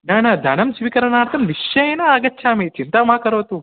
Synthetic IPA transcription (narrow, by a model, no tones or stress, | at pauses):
naːnɐd̪ʱɐnɐmsʋikɐɾɐnaːɾt̪ʰɐmniʃjɐeːnɐaːɡɐtːʃʰaːmet͡ʃint̪aːmaːkɐɾoːt̪u